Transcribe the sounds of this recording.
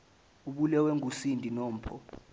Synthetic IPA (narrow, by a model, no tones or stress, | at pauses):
uɓulɛwɛŋʱusindʱʼinɔːm̩pʰɔ